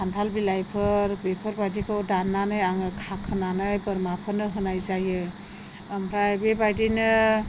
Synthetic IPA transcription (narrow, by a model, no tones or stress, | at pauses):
andʰʱalbilajpʰɯɾbepʰɯɾbajdikʰɯwdanːanɯjaŋɯkʰakʰɯnanɯjbɯɾmapʰɯnɯɦɯnajzajɯː | mɾajbebajdinɯ